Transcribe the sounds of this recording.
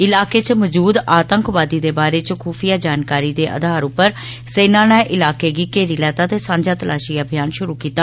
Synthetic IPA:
ɪlaːkeːt͡ʃməd͡ʒuːd̪aːt̪əŋkʋaːd̪iːd̪eːbaːɾeːt͡ʃkʰuːfʰijaːd͡ʒaːnkaːɾiːd̪eːʔə̰d̪ʱaːɾʊpːəɾ | seːnãːnɛːʔɪlaːkeːɡiːkeːɾiːlɛːt̪aːt̪eːsãːɲd͡ʒaːt̪əlʔaːʃijaːbʱɪjaːnʃʊɾuːkiːt̪aː

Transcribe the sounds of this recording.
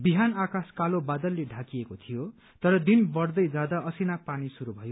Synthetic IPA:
biɦanakaskalobad̪ʌlːeɖʱakiekot̪ʰijo | t̪ʌɾʌd̪inbʌrd̪ʌjd͡zad̪aʔʌsinapanisuɾubʱʌjo

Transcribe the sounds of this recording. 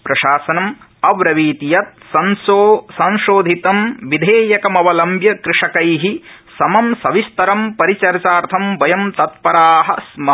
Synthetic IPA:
pɾɐʃaːsɐnɐm | ɐʋɾɐʋiːt̪ijɐt̪̚sɐnsoːsɐ̃ñʃoːd̪ʱit̪ɐmʋid̪ʱeːjɐkɐmɐʋɐlɐmbjɐkɾɪʂɐkɐjɦi | sɐmɐmsɐʋist̪ɐɾɐmpɐɾit͡ʃɐɾt͡ʃaːɾt̪ʰɐmbɐjɐmt̪ɐt̪̚pɐɾaːɦɐ̆smɐ

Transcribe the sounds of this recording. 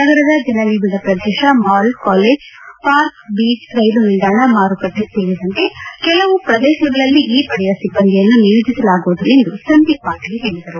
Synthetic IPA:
nɐɡɐɾɐd̪ɐd͡ʒɐnɐʋiːbid̪ɐpɾɐd̪ɛːʃɐmaːlkaːleːd͡ʒ | paːɾkbiːt͡ʃɾɐjdunild̪aːɳɐmaːɾukɐʈːeseːɭid̪ɐnt̪e̞kɛlɐʋupɾɐd̪ɛːʃɐɡɐɭɐlːiʔiːpɐɽɛjɐsibːɐnɡ̪ɛjɐnːunijud͡ʒisɐlaːɡuʋud̪ulend̪usɐnd̪iʋaːɡɐɡeɦeːɭid̪ɐɾu

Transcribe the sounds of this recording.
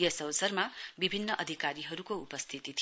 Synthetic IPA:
jʌsʌwsʌrmabibʱinːʌʔʌd̪ʱikaɾiɦʌɾukoupʌst̪ʰit̪it̪ʰi

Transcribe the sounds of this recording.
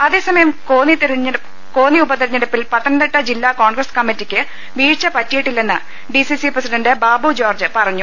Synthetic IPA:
ɐðe̞ːsɐmɐjɐmkoːnit̪ɐɾːɐ | ko̞ːniubɐt̪ɐɾiɲːɐɽɐpːilpɐt̪ːɐnɐnd̪ɐʈːɐd͡ʑilːaːko̞ːɳɡrɐskɐmːitːikʲːɨ | ʋiːɻt͡ɕːɐpɐtːijiʈːilːenːɨ | ɖisisiprɐsiɖɐndɨbaːbud͡ʑo̞ːrd͡ʑɨpɐrɐɲːu

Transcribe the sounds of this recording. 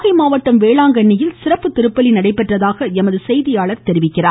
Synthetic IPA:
ɣɐɪmaːʋɐʈːɐmʋeːɭaːŋɡɐɳːɪjɪlsɪrɐpːɯt̪ːɪɾɯpːɐlinɐɽɐɪpːɛʈrɐðaːɣɐɛmɐðɯsɛjðɪjaːɭɐɾt̪ɛɾɪʋɪkːɪraː

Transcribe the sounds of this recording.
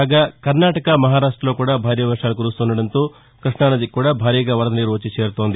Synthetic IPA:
aɡaːkɐɾnaːʈɐkɐmɐɦaːɾaːʂʈɾɐloːkuːɽaːbʱaːɾjɐʋɐɾʂaːlukuɾust̪unɐɽɐnt̪oː | kɾiʂɳaːnɐd̪ikːuːɽaːbʱaːɾiːɡaʋɐɾɐd̪ɐniɾoːt͡ʃit͡ʃe̞ːɾut̪o̞ːnd̪i

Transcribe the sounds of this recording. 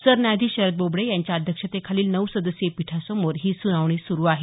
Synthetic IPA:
səɾnjad̪ʱiːɕəɾət̪̚bobɽejaɲt͡ɕjaːd̪ʱjəkʂət̪ekʰaliːlnəʋsəd̪əsjepiʈʰasəmoɾɦiːsunaʋɳ̃isuɾuːaɦe

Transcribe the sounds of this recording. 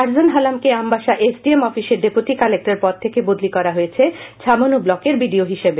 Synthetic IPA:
aɾd͡ʑonɦalamkeambaʃaʔesɖiemɔfiʃeɾɖepuʈikalek̚ʈaɾpɔɾ̚t̪ʰekebod̪likɔɾaɦojet͡ɕʰet͡ɕʰamonublɔkeɾbiɖioɦiʃebe

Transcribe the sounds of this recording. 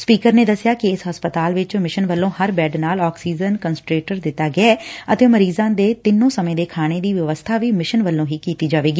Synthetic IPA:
spiːkəɾneːd̪əsːjaːkɪɪsɦəspət̪aːlʋɪt͡ʃmɪʃənʋəlːõːhəɾbɛːɖnaːlɔːksiːd͡ʒənkənsʈɾeːʈəɾd̪ɪt̪ːaːɡɪɛːət̪ẽːməɾiːzãːd̪eːt̪ɪnːõːsəmẽːd̪eːkʰaːɽ̃eːd̪iːʋəʋəst̪ʰaːʋiːmɪʃənʋəlːõːɦiːkiːt̪iːd͡ʒaːʋeːɡiː

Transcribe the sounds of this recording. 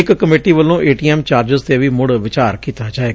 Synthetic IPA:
ɪkkəmeːʈiːʋəlːõːʔeːʈiːɛːmt͡ʃaːɾd͡ʒəzt̪eːʋiːmʊɽʋɪt͡ʃaːɾkiːt̪aːd͡ʒaːeː

